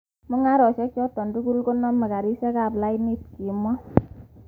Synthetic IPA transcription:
mo˦ŋa˦ɾɔ˨ʃɛ˦k̚t͡ʃɔ˦tɔ˨ndu˦ku˦lko˦nɔ˦ma˨ka˨ɾi˦sɛ˦ka˨pla˦i˦ni˦t̚ki˨mɔ˦

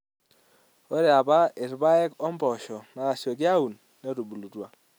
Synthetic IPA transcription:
o˦ɾe˨a˨ba˦ɪ˨ɾba˦ɛ˦kɔ˦mbɔ˨ʃɔ˨na˨a˨sɔ˨kja˦u˨nːe˦ɾu˨bu˨lu˨twa˨

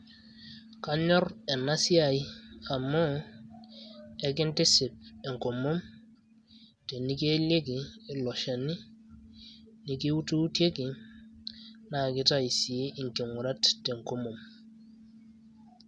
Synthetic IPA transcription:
ka˦ɲɔ˦ɾɛ˨na˦si˦a˨i˦a˨mːɔ˦ | ɛ˨k̬ɪ˦ntɪ˦sɪ˨p̚ɛ˨ŋ˨ko˨mo˦m | tɛ˨ni˦ke˦le˦kiː˨lɔ˨ʃa˨ni˦ | ni˨ki˦u˦tu˦tje˦kɪ˨ | na˨kɪ˦ta˦i˨si˨e˦ʔi˨ŋke˨ŋu˨ɾa˦tːɛ˨ŋ˨ko˦mo˨m

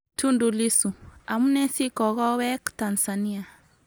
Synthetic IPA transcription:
tʰu˦ndu˨li˦su˨a˨mu˦nɛ˦si˦kɔ˨ɣɔ˦wɛ˦kta˨nsa˨ni˦a˨

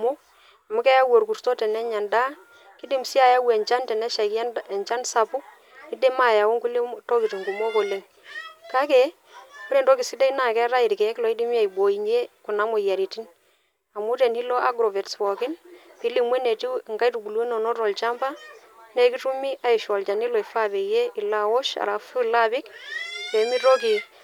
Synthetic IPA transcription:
mo˦ | a˨mu˦kɛ˦ja˦wo˨ɾku˨ɾtɔ˦tɛ˨nɛ˦ɲa˨nda˦ | ki˦di˨msi˦a˨ja˦wɛ˨ɲt͡ʃa˦ntɛ˨nɛ˦ʃa˨knɛ˨nt͡ʃa˦nsa˨pʊ˦ | ki˦de˦ma˦˨ja˨wo˦ŋku˦le˦tɔ˦ki˨ti˨ŋɡu˨mo˦ko˨le˨ŋ | ka˦ke˨˦ | o˦ɾe˨tɔ˦kɪ˨si˦de˦i˦na˨kɛ˦ɾa˦ɪ˨ɾkɛ˨ɛ˦klɔ˨i˦di˦mi˦a˨jbo˨i˨ɲe˦ku˨na˦mo˨ja˨ɾi˨ti˦n | a˨mu˦te˨nhi˦lɔ˦ʔa˦ɡɾɔ˨vɛ˨tswɔ˨kɪ˦npi˨˦li˦mwe˦ne˨ti˦˨ŋɡa˦jtu˨ɡu˨lwe˦nɔ˨nɔ˦ɾɔ˨lt͡ʃa˦mba˦ | ne˦ki˦tu˦mi˦ʔa˨i˨ʃɔ˨lt͡ʃa˨ni˦lɔ˨i˨fa˦be˨je˦ɪ˨la˦wo˦ʃa̰˨ɾa˨fu˦la˦bɪ˦kkɛ˨˦mi˦ɾɔ˦ki˨

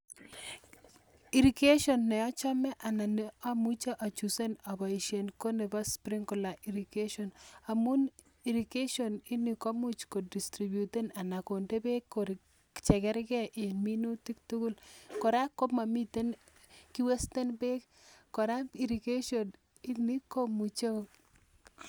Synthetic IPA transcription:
i˨ɾike˦ʃɔnːɛ˨ɔ˦t͡ʃɔ˦mɛ˦ʔa˨na˨nea˦mut͡ʃa˦ʔɔ˨t͡ʃuse˦na˨bɔ˨iʃe˨nko˦ne˨ba˦spɾi˦ŋkʊ˨la˨ʔi˨ɾi˨keʃɔna˨mu˦n | i˨ɾi˨ke˦ʃɔni˦ni˨kɔ˦mu˦t͡ʃko˨di˨stɾi˨bjut̪e˦na˨na˨ko˨nde˦be˦kːoɾ | t͡ʃɛ˨kɛ˦ɾkɛ˦ʔe˨nmi˦nu˦t̪i˦kt̪u˦ɡu˦lkɔ˨ɾa˦kːo˦ma˨mi˦t̪e˦n | ki˦we˦st̪e˦nbe˦k | kːɔ˨ɾa˦i˨ɾike˦ʃɔn | i˦ni˦ko˦mut͡ʃa˦

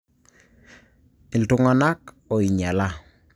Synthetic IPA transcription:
ɪ˨ltʊ˦ŋa˦na˦k | ɔ˨i˨ɲa˨la˦

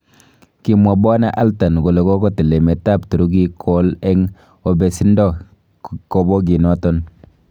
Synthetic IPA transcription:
ki˨mwa˨bɔ˦na˦ʔa˦lta˨nɡo˨le˨ko˦ko˦te˨le˨me˨ta˦˨ptu˨ɾu˦ɡ̬i˦kʰɔ˦lɛ˦ŋ | ɔ˨bɛ˨si˦ndɔ˦˨ | ko˦bɔ˦ɡ̬i˨nɔ˦tɔ˦n

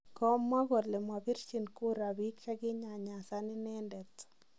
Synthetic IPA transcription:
kɔ˦mwa˦ɡɔ˨tlɛ˨mwa˨pɪ˦ɾt͡ʃi˨nku˦ɾa˨bi˦kt͡ʃa˦ɡɪ˦ɲa˨ɲa˨sa˦nɪ˦nɛ˦ndɛ˨t

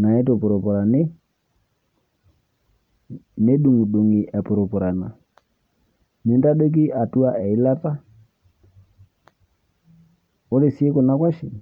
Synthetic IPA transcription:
na˨ɛ˦to˨pʊ˨ɾɔ˨pɔ˨ɾa˨ne˦ | ne˦ɗu˨ŋu˨ɗu˨ŋi˨ʔɛ˨pʊ˨ɾo˨pɔ˨ɾa˨na˨ | ni˨˦nda˦do˦k̬i˦ʔa˨tu˦a˦ʔɛ˨i˦la˦ta˦ | o˦ɾe˨si˦e˦kʊ˨na˦kwa˦ʃi˨

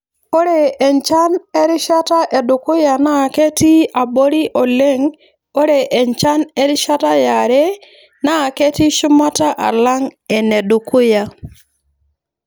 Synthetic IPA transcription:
o˦ɾe˨ɛ˨ɲt͡ʃa˦nɛ˦ɾɪ˦ʃa˦ta˦ʔɛ˨dʊ˨kʊ˦ja˨na˦˨ke˦ti˦a˨bo˦ɾi˦ʔɔ˨le˦ŋ | o˦ɾe˨ʔɛ˨ɲt͡ʃa˦nɛ˦ɾɪ˦ʃa˦ta˦ja˨ɾɛ˦ | na˦˨ke˦ti˦ʃʊ˦ma˦ta˦ʔa̰˨la˦ŋɛ˨nɛ˨dʊ˨kʊ˦ja˨

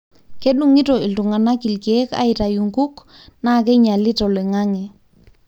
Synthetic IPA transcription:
ke˦ɗu˨ŋi˦to˨i˨ltu˨ŋa˨na˦ki˨lkie˦ka̰˦ita˨ju˨ŋku˦k | na˦˨k̬e˦ɲa˨lɪ˦tɔ˨le˨ŋa˦ŋɛ˨

